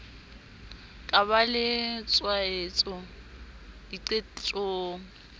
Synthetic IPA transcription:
kʼaβalɪt͡sʼwaet͡sʼɔ | diǀet͡ɬʼoːŋ̩

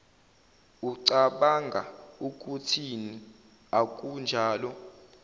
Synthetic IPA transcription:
uǀaɓaŋɡʱa̰uk̬ʼutʰini | ak̬ʼund͡ʒʱaːlɔ

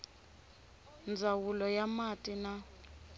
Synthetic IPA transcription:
nd͡zʱawulɔjamatʼina

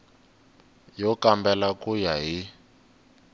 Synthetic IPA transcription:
jɔkambɛlakujaɦi

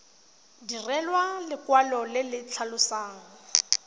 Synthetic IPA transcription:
dirɛlwalɪkwalɔlɪlɪt͡ɬʰalʊsaːŋ̩

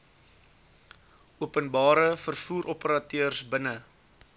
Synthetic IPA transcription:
uəpənbɑːɾəfərfuːɾʔɔpəɾɐtøərsbənə

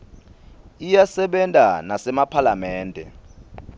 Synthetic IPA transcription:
ijasɛɓɛntʼanasɛmapʰalamɛːndʱɛ̰

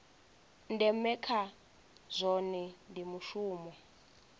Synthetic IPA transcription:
ndɛmɛkʰa | zʷɔnɛndimuʃuːmɔ

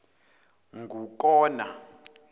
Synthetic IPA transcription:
ŋɡʱuk̬ʼɔːna̰

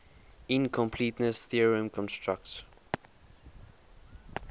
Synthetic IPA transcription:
ɪ̃nkʰɔ̃mpʰlitnəsθiəɹiə̃mkʰɔ̃nstɹak̚t

